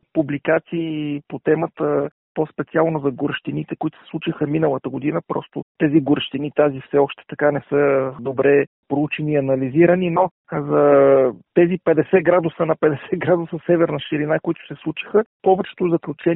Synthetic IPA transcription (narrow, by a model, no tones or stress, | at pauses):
publikat̪siːpot̪ɛmət̪ə | pospɛt̪sialˠnozɐɡʊɾəʃt̪init̪ɛkoʊit̪ʊ̥sɛ̥slˠut͡ʃixəminəlˠət̪əɡod̪inəpɾɔ̰st̪ʊt̪ɛziɡʊɾəʃt̪init̪azifsɛɔʃt̪ɛ̥t̪ɐkanɛsɤd̪obɾɛ | pɾout͡ʃɛniːɐnɐliziɾənino | zɐt̪ɛzipɛd̪ɛsɛɡɾad̪usənɐpɛd̪ɛsɛɡɾad̪usəsɛvɛɾnəʃiɾinakoit̪ʊ̥sɛslˠut͡ʃi̥xəpɔvɛt͡ʃɛ̥t̪ʊzɐklʲut͡ʃɛ